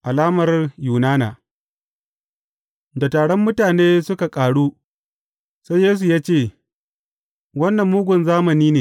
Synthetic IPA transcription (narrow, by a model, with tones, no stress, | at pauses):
ʔa˨laː˦mɐ˨rjuː˨naː˦na̰ː˨ | da˨taː˨ɽɔ˦mːʊ˦taː˨neː˦sʊ˦ka˨kʼaː˨ɽuː˦ | sa˦jjeː˦s̬u˨jaː˦t͡ʃeː˦˨ | wɐ˦nːɐ˨mːʊː˦ɡʷʊ˨nzaː˦mɐ˨niː˦neː˨